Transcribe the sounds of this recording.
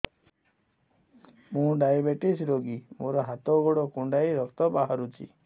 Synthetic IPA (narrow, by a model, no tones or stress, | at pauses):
mũɖajabeʈisɾoɡimoɾɔɦat̪ɔɡoɽɔkuɳɖajɾɔkt̪ɔbaɦaɾut͡ʃʰḭ